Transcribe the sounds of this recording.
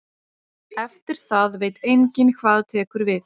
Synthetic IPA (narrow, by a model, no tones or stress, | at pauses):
ɛft̪ɪɾ̥θaðveːjt̪ejɲcɪnkʰvaːðt̪ʰɛːkʏɾvɪð